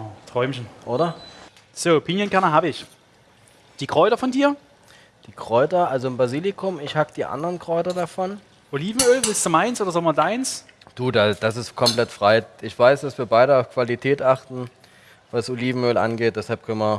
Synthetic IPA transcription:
tʁ̥ɔʏmçn̩ʔoːɾɐ | z̥oːpʰɪnjənkʰɛɐnɐɦaːbəɪç | d̥iːkʁ̥ɔʏtɐfɔndiːɐ | d̥iːkʁ̥ɔʏtɐʔalzombʁaziːlɪkʰʊmɪçhakəd̥iːʔa̰ndəʁənkʁ̥ɔʏtɐdafɔn | ʔoliːvn̩øːlvɪlstd̥umaɪnsʔoːdɐzaːŋmɐdaɪns | d̥uːdad̥asɪstkʰɔmplɛtfʁ̥aɪʔɪçv̥aɪsd̥asv̥iːɐbaɪɾəaʊfkv̥alitʰɛːtʔaχtn̩ | vasʔoliːvn̩øːlʔa̰nɡeːt̚d̥ɛshalp̚kʰœnmɐ

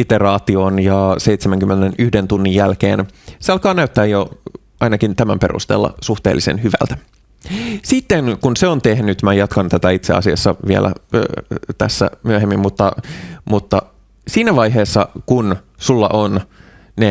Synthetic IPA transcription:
it̪erɑːt̪ionjɑsejt̪semæŋkymːenenyhdent̪unːijjælkeːnseɑlkɑːnæyt̪ːæːjo | ɑinɑkint̪æmæmpe̞rṵst̪ḛːlːɑ̰suht̪ḛːlːisḛnhyʋæ̰lt̪æ̥ | sit̪ːeŋkunseont̪ehnyt̪mæjɑt̪kɑnt̪æt̪æit̪seɑ̰siɑsːɑʋiḛlʔæ̰ | t̪æ̰sːæ̰myøɦemːimːut̪ːɑmut̪ːɑ | siːnæʋɑjɦeːsːɑkun | sulːɑ̰ʔon | ne

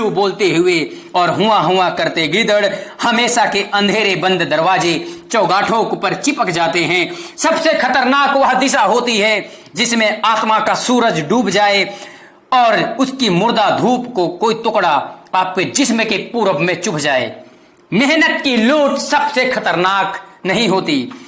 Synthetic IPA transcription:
uboːlt̪eɦʊe | ɔːɾɦʊaɦʊakɐɾt̪eɡɾɪd̪əɽhɐmeːʃakeʔɐ̃nd̪ʱeːɾebə̃nd̪ʱd̪əɾʋaːd͡ʒet͡ʃɔːɡaːʈʰõʊpəɾt͡ʃɪpəkd͡ʒaːt̪eɦɛ̃sɐbsexɐt̪əɾnaːkʋɐɦd̪ɪsaɦoːt̪iɦɛ | d͡ʒɪsmẽaːt̪makasuːɾəd͡ʒɖuːbd͡ʒaːe | ɔːɾʊskimʊɾd̪ad̪ʱuːpkokoːit̪ʊkɽaaːp̚ked͡ʒɪsmẽkepuːɾəbmẽt͡ʃʊpʰd͡ʒaːḛː | mɛɦnət̪̚kiluːʈsɐbsexʰɐt̪əɾnaːknɐɦĩɦoːt̪i

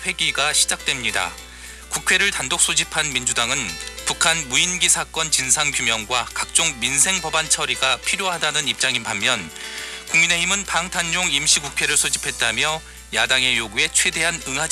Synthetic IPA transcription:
ɸwe̞ɡiɡaɕʰid͡ʑak̚t͈we̞mɲida̰ | kukʰwe̞ɾɯɭtandok̚s͈ʰod͡ʑipʰanmind͡ʑudaŋɯnpukʰanmuinɡisʰak͈ʌnt͡ɕinsʰaŋkjumjʌŋɡwakak̚t͡ɕ͈oŋminsʰe̞ŋbʌbant͡ɕʰʌɾiɡapʰiɾjoɦadanɯnip̚t͡ɕ͈aŋibamːjʌnkuŋmine̞ɦimɯnpaŋtʰand͡ʑoŋimɕ͈ʰikukʰwe̞ɾɯɭsʰod͡ʑipʰe̞t̚t͈amjʌ | jadaŋe̞joɡue̞t͡ɕʰwe̞de̞ɦanɯŋɦad͡ʑ

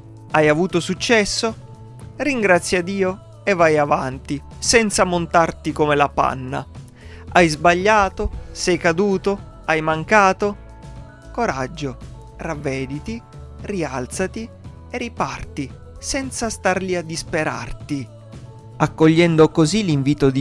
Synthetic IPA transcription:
ajavuːt̪osut͡ʃːɛsːo | riŋɡɾat̪sːjad̪iːo | evːajavant̪i | sɛnt̪samont̪art̪ikomelapa̰nːa̰ | ajzbaʎːaːt̪osɛjkad̪uːt̪o | ajmaŋkaːt̪o | koɾad͡ʒːo | ravːɛːd̪it̪i | rialt̪sat̪i | eripart̪i | sɛnt̪sast̪arʎiad̪ːispeɾa̰rt̪i | akːoʎːɛnd̪okoziliɱviːt̪od̪i

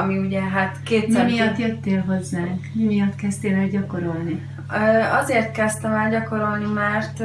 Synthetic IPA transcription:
ɒmiuɟɛɦat̪keːt̪mɛmijɒt̪jøt̪ːeːlɦo̞zːaːŋkmimijɒt̪kɛst̪eːlɛɟɒko̞ɾo̞lni | øːɒzeːrt̪kɛst̪ɛmɛlɟɒko̞ɾo̞lnimaːrt̪

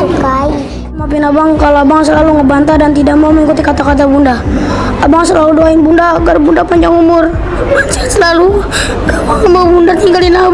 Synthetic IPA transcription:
kai | map̬inabaŋkaloabaŋsəlaluŋəbant̪adant̪idak̚mauməŋikut̪ikat̪akat̪̬abunda | abaŋsəlaludoainbundaːɡarbundapaɲd͡ʒaŋumʊr | mat͡ʃasəlalu | kamaŋəmawbundat̪iŋɡalina

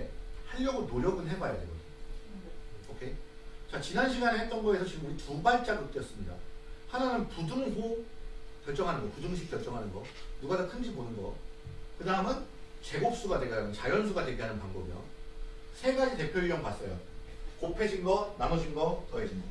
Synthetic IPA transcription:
haʎːʌɡunoɾjʌɡɯnɦe̞ɡajadwe̞̰ɡʌdɯo | okʰe̞t͡ɕat͡ɕinanɕʰiɡaneɦek̚t͈ʌnɡʌesʰʌɕʰiɡɯmuɾitubaɭt͡ɕ͈aɡɯt͈ejʌs͈ɯmɲida̰hananɯnpudɯŋɦu | kʲjʌɭt͡ɕ͈ʌŋɦanɯnɡʌpudɯŋɕʰik̚k͈jʌɭt͡ɕ͈ʌŋɦanɯnɡʌ | nuɡadakʰɯnd͡ʑibonɯnɡʌ̰kɯdaɦɯmjʌnt͡ɕe̞ɡok̚s͈uɡatwe̞ɡiɦanɯt͡ɕajʌnsʰuɡadwe̞ɡiɦanɯnpaŋbʌbijo̰ | sʰe̞ɡad͡ʑite̞pʰjoiɾjʌŋpas͈ʌjo̰kopʰe̞d͡ʑʰinɡʌnamʌd͡ʑinɡʌt͈ʌed͡ʑʰinʌ

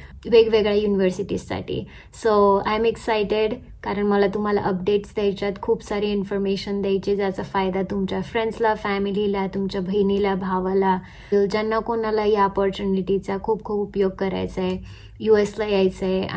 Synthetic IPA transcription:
ʋeɡʋeɡɭjajuniʋəɾsiʈisːa̰ʈʰḭ | soa̰ɛmeksajʈeɽ | kaɾəɳməlat̪um̤ala̰ʔəp̚ɖeʈsd̪jajt͡ɕat̪kʰuːbsaɾiːinfɔɾmeɕənd̪jajt͡ɕid͡zat͡safajd̪at̪umt͡ɕjafɾẽɳɖslafæmililat̪umt͡ɕjabʱəjnilabʱaʋla | ld͡ʑanːakonalaɦiɔpɔɾt͡ɕuniʈit͡sakʰuːp̚kʰuːpupjoɡ̚kəɾa̰jt͡sae | jueslajajt͡se

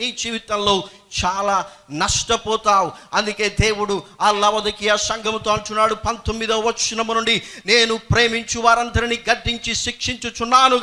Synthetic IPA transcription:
iːd͡ʒiːʋit̪ɐmlo̞ː | t͡ʃaːlaːnɐʂʈɐpɔːt̪aːwuɐnd̪uke̞ːd̪e̞ːwuɽuaːlɐʋɐd̪ɐkijɐsɐŋɡʱɐmt̪oːɐɳʈunːaːɽupɐnt̪omːid̪ɐʋɐt͡ʃunɐmunuɳɖine̞ːnupɾe̞ːmiɲt͡ʃuʋaːɾɐnd̪ɐɾiniɡɐɖːiɲt͡ʃiʃikʂiɲt͡ʃut͡ʃunːaːnu

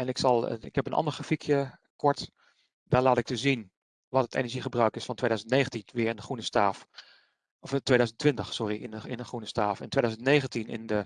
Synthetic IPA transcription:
ɛnɪksɑl̰ˠɪkhɛpənʔɑ̰ndəɹχafikʰjə | kɔɹt | daːɹlaːtɪk̚təzin | ʋɔtətʰḛnəɹʒiχəbrœɥkɪsfɑntʰʋeːdœɥzəntneːɣəntinʋɪəɹɪndəχunəstaːf | ɔftːʋejdœzəntʋɪntəxsʊriɪəɪnəχrunəstaːfɛ̰ntweːdœzəntneːɣəntinɪ̰ndə

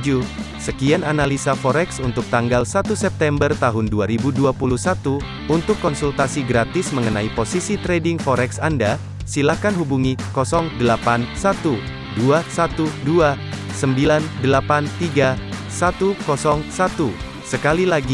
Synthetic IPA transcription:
d͡ʒusəkiananalisafɔɾɛksunt̪ʊk̚t̪aŋɡalsat̪usɛp̚t̪ɛmbərt̪aɦʊnduaɾibuduapuluhsat̪u | unt̪ʊkːɔnsult̪asiɡɾat̪ɪsməŋənaiposisit̪ɾɛdɪŋfɔɾɛksanda | silahkanɦubuŋikɔsɔŋdəlapansat̪u | duasat̪udua | səmbilandəlapant̪iɡa | sat̪ukɔsɔŋsat̪u | səkalilaɡi

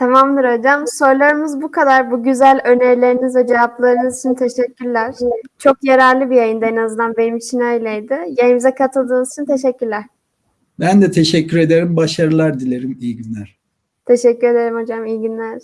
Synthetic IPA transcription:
t̪ʰamamd̪ɯɾod͡ʒamso̞ɾlˠaɾɯmɯzbukʰad̪aɾbuɟyzælʲø̞neɾlʲe̞ɾinizvɛd͡ʒevaplˠaɾɯnɯzit͡ʃʰint̪ʰe̞ʃɛcʰːyɾlʲæɾ̥t͡ʃʰo̞kjaɾaɾlˠɯbijajɯnd̪aenazɯnd̪anbe̞nimit͡ʃʰinajlʲajd̪ɪjajɯmizɛkʰat̪ʰɯlˠd̪ɯːnɯzit͡ʃʰint̪ʰe̞ʃɛcːyɾlʲæɾ̥ | bænd̪ɛt̪ʰeʃɛcʰːyɾe̞d̪eɾimbaʃaɾɯlˠaɾd̪ilʲeɾimijiɟynlʲæɾ̥ | t̪ʰe̞ʃɛcːyɾe̞d̪e̞ɾimhod͡ʒamijɟinlʲæɾ̥

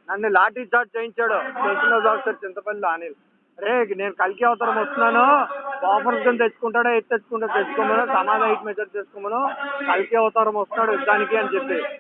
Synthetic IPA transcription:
nɐnːulaːʈiːd͡ʒaːʈ̚t͡ʃejnt͡ʃɛjaɽut͡ʃesɐnɐsaːksɐɾt͡ʃint̪ɐpɐlilaːnil | ɾekneːnukɐlk̬iɐʋɐt̪aːɾɐmɔst̪unaːnupaːpɐɾsɡɐnd̪et͡ʃːu̥kuɳʈaːɽeet̪ːet͡ʃːu̥kuɳʈɐt̪et͡ʃukomɐnusɐmaːd̪ɐjʈmet͡ʃɐɾt͡ʃeːskomɐnukɐlkiɐʋɐt̪aːɾɐmɔst̪naːɽuid̪aːnikeɐnt͡ʃepːe

